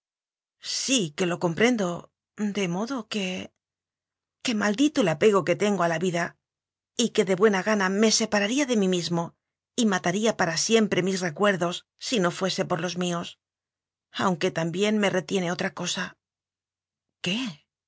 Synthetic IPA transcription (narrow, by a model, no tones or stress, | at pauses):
sike̞lo̞ko̞mpɾe̞nd̪o̞ | d̪e̞mo̞ðo̞ke̞ | ke̞mald̪it̪oelape̞ɣ̞o̞ke̞t̪e̞ŋɡo̞alaβiða | ike̞ðe̞βwe̞naɣaname̞se̞paɾaɾiaðe̞mimizmo̞ | imat̪aɾiapaɾasje̞mpɾe̞misre̞kwe̞ɾðo̞sːino̞fwe̞se̞po̞ɾlo̞zmio̞s | awŋke̞t̪ambje̞nme̞re̞t̪je̞ne̞o̞t̪ɾako̞sa | ke̞